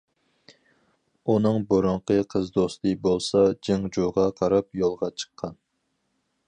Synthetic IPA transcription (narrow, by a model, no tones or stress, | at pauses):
unɨŋbuɾʊɴqʰəqʰəzd̪ost̪ɨbolˠsɑd͡ʒiŋd͡ʒuʁɑqʰɑɾɑpjolˠʁɑt͡ʃʰə̥qʰːɑn